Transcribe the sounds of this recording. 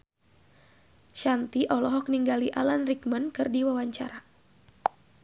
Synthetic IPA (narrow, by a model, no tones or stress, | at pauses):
ʃant̪iʔɔlɔɦɔk̚niŋɡaliʔalanrikmənkɨrdiwawaɲt͡ʃa̰ɾa